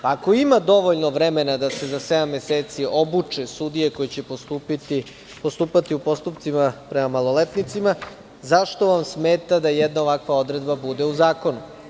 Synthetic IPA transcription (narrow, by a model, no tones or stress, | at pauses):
paːko̞imad̪o̞ʋoʎnoʋɾeme̞nad̪ase̞zased̪amːeseːt̪siʔo̞but͡ʃesud̪ije̞ko̞jet͡ɕe̞post̪upit̪i | post̪uːpat̪iupo̞st̪upt̪simapɾemamalˠo̞let̪nit̪sima | zaʃt̪o̞ʋamsmeːt̪ad̪ajɛd̪naoʋakʋao̞d̪ɾe̞d̪babud̪e̞uzaːko̞nu